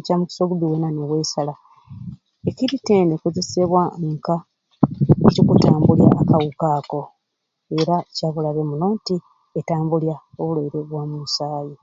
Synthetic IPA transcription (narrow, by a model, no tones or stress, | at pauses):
camuki̥soɡuβiwenaneβwe̞ːsala | eciɾiteːnekoze̞seβwaŋka | ecikutaːmbulja̰ʔːkawukaːko̞ | eɾacaβulaβe̞muno̞ːnti | etaːmbuljaoβulaiɾe̞βwaːmumusaːji